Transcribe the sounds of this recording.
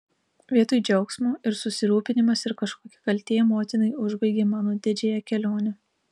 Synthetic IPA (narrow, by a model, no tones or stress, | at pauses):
ʋʲiɛt̪ʊjd͡ʒʲɛʊksmuːɪɾsʊsʲɪɾuːpʲɪnʲɪmɐsɪɾkɐʃkoːkʲɪ̥kɐlʲt̪ʲeːjɛmoːt̪ʲɪnɐɪʊʒbɐɪɡʲeːmɑːnoːd̪ʲɪd͡ʒʲɛjɛkʲɛlʲoːnʲɛ